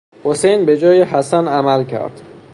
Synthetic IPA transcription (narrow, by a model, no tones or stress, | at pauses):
hosejnbe̞d͡ʒɒːjeɦæsænæmælcʰæ̰ɾd̪̥